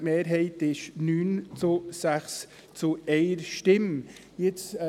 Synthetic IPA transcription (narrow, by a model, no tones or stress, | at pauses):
meːɾɦɛɪtɪʃnyːnt͡susæχs | t͡suɛɪəɾʃtɪm | jɪt͡s